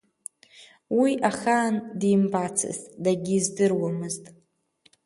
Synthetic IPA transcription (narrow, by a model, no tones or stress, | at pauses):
wiʔaχaːndimbat͡sʰɨ̰zdaɡʲizdɨrwamɨztʼ